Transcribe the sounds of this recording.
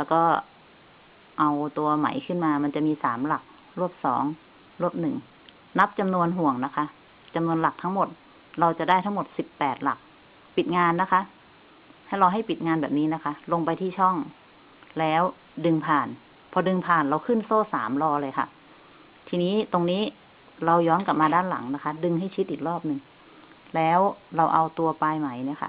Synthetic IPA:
lɛː˦˥wkɔː˥˩ | ʔa˧wt̪u˧ɐma̰˩˦jkʰɯ˥˩nmaː˧ma˧nt͡ɕa˨˩miː˧saː˩˦mla˨˩k̚ | ɾu˥˩əp̚sɔ̰ː˩˦ŋ | ɾu˥˩əp̚nɯ˨˩ŋ | na˦˥p̚t͡ɕa˧mnu˧ənɦu˨˩əŋna˦˥kʰa˦˥ʔ | t͡ɕa˧mnu˧ənla˨˩k̚t̪ʰa˦˥ŋmo˨˩t̪̚ | ɾa˧wt͡ɕa˨˩daː˥˩jt̪ʰa˦˥ŋmo˨˩t̪̚si˨˩pːɛː˨˩t̪̚la̰˨˩k̚ | pi˨˩t̪̚ŋaː˧nːa˦˥kʰa˦˥ʔ | ha˥˩jɾa˧wɦa˥˩jpi˨t̪̚ŋaː˧nbɛː˨˩p̚niː˦˥na˦˥kʰa˦˥lo˧ŋpa˧jt̪ʰiː˥˩t͡ɕʰɔ˥˩ŋ | lɛː˦˥w | dɯ˧ŋpʰaː˨˩n | pʰɔː˧dɯ˧ŋpʰaː˨˩nɾa˧wkʰɯ˥˩nsoː˥˩sa̰ː˩˦mlɔː˧lɤː˧jkʰa̰˥˩ʔ | t̪ʰiː˧niː˦˥˨t̪o˧ŋniː˦˥ | ɾa˧wjɔː˦˥nka˨˩p̚maː˧daː˥˩nla̰˩˦ŋna˦˥kʰa˦˥dɯ˧ŋɦa˥˩jt͡ɕʰi˦˥t̪̚ʔiː˨˩k̚lɔː˥˩p̚nɯ˧ŋ | lɛː˦˥wɾa˧wʔa˧wt̪u˧ɐpaː˧jma˩˦jni˦˥˩ɐkʰa̰˧˩ʔ

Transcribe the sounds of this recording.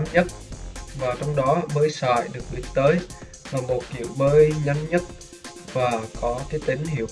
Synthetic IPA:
nɲə˦˥t̚vaː˨˩t͡ɕɔ˧wŋ͡mɗɔ˨˦ɓəː˨˦jsa̰ː˧˨jɗɨ˨˩ək̚ɗḭ˨˩t̪əː˨˦j | va˨˩mo˨˩t̚kḭ˧˨əwɓəː˧jɲə˧nɲə˦˥t̚ | vaː˨˩kɔ˨˦k̪aː˨˦t̪ï˨˦ŋ̟hḭ˧˩˨əw

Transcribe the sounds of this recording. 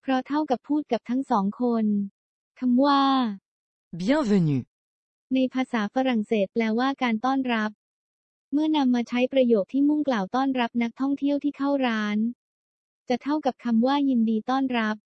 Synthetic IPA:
pʰɾɔ˦˥t̪ʰa˥˩wka˨˩pʰuː˥˩t̪̚ka˨˩p̚t̪ʰa˦˥ŋsɔː˩˦ŋkʰo˧n | kʰa˧mwaː˥˩ | bi˦a˥ve˧ni˨˩ | na˧jpʰaː˧saː˩˦fa˧ɾa˨˩ŋseː˨˩t̪̚plɛː˧waː˥˩kaː˧nt̪ɔː˥˩nɾa˦˥p̚ | mɯ˥˩ɐna˧mːaː˧t͡ɕʰa˦˥jpɾa˧joː˨˩t̚t̪ʰiː˥˩mu˥˩ŋklaː˨˩wt̪ɔː˥˩nɾa˦˥p̚na˦˥k̚t̪ʰɔ˥˩ŋt̪ʰi˥˩əwt̪ʰiː˥˩k̪ʰa˥˩wɾaː˦˥n | t͡ɕa˨˩t̪ʰa˥˩wka˨˩p̚kʰa˧mwaː˥˩ji˧ndiː˧t̪ɔː˥˩nɾa˦˥p̚

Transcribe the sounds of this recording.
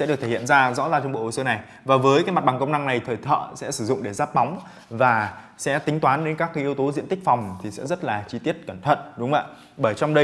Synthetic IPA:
sɛ̰˧˥ɗɨ˨˩k̚t̪ʰe˧˩ḭ˧˨ənzaː˧zɔ̰˧˥zaː˧˩t͡ɕɔ˧ŋ͡mɓo̰˧˨ho˨˩sə˨˦na˨˩j | vaː˨˩vəː˨˦jkaː˨˦jma˨˩t̚ɓa˨˩ŋkə˧wŋ͡mna˧ŋna˨˩jt̪ʰəː˨˩jt̪ʰə̰ː˧˨sɛ̰˧˥sɨ˧˩zʊ̰˧˨ŋ͡mɗe˧˩zaː˦˥p̚ɓa˨˦wŋ͡m | vaː˨˩ | sɛ̰˧˥t̪ï˨˦ŋ̟t̪waː˨˦nɗe˨˦nkaː˦˥kːaː˨˦ʔi˧əwt̪o˨˦zḭ˧˥ənt̪ï˦˥k̟̚fɔ˨˩wŋ͡mt̪ʰi˨˩sɛ̰˧˥zə˦˥t̚laː˨˩t͡ɕi˧t̪i˦˥ət̚kə˧˩nt̪ʰə̰˧˨t̚ɗʊ˨˦ŋ͡mʔa̰ː˧˨ | ɓəː˧˩jt͡ɕɔ˧wŋ͡mɗə˧

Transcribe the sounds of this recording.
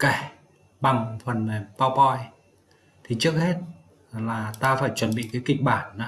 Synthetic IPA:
ka˧˩j | ɓa˨˩ŋfə˨˩na˨˩paː˧wpɔ˧j | t̪ʰi˨˩t͡ɕɨ˦˥ək̚he˦˥t̚ | laː˨˩t̪aː˧faː˧˩jt͡ɕwə˧˩nɓḭ˧˨kaː˨˦jkï˨˩k̟̚ɓaː˧˩nːa˨˦

